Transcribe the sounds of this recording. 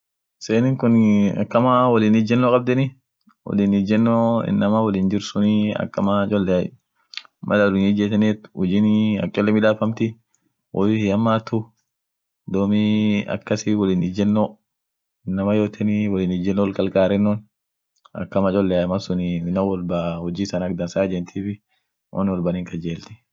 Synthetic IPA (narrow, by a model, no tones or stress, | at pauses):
seːnɪŋkʊnɐ̰kːɐmawɐlinɪd͡ʒːɛnːɔkʼɐb̚d̪ɛnɪ | wɔ̰linɪd͡ʒɛnːoɪ̰nːɐmɐwɐlind͡ʒɪɾsʊniɐ̰kːɐmɐt͡ʃʼɔlːɛaj | mʔɐ̰lɐdʊnɪd͡ʒɛt̪ɛnɛt̪wʊd͡ʒɪnɐ̰kʼːɛlːɛmɪᶑ̪aːfɐmt̪ɪ | wɔlɪhɐmːaːt̪ːʊ | d̪oːmɪɐ̰kːɐsɪwɔliːnɪd͡ʒɛnːo | ɪnːɐmɐjoːt̪ʰɛnɪwɔliːnɪd͡ʒɛnːɔlkɐlkʼaːɾɛnːɔn | ɐ̰kːɐmɐt͡ʃʼɔlːɛajmɐsʊniɪnɐwɔlbahɔd͡ʒiːsɐnɐk̚d̪ɐnsaːd͡ʒɛnt̪ʰiːfɪ | wʔɐ̰nwɔlbɐniŋkɐd͡ʒeːlt̪ɪ̥